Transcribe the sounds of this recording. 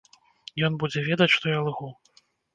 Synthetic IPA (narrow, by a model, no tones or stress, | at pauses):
jɔnbud͡zʲɛvʲɛd̪ɐt͡sʲʂt̪ɔjalˠɣɔ